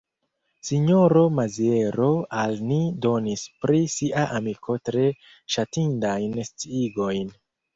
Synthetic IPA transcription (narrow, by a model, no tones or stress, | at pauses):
siɲoɾo̞mazie̞ɾo̞alnido̞nispɾisiʔaʔamikʰo̞tɾe̞ | ʃatindajnst͡siiɡo̞jn